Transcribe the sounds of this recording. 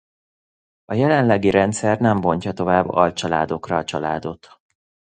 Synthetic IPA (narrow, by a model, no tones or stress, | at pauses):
ɒjɛlɛnlɛɡiɾɛnt̪sɛrnɛmbo̞ɲcɒt̪o̞vaːbːɒ̰lt͡ʃɒla̰ːd̪o̞krɒːt͡ʃɒla̰ːd̪o̞t̪